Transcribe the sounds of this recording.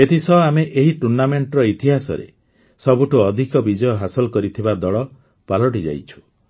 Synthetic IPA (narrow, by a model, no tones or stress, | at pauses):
et̪isɔameʔeɦiʈuɾnameɳʈɔɾɔit̪iɦasɔ̰ɾḛ | sɔbuʈuɔd̪ʱikɔbid͡ʒɔjɔɦasɔlɔkɔɾit̪ʰibad̪ɔɭɔ | palɔʈ̬id͡ʒa̰jt͡ʃʰu̥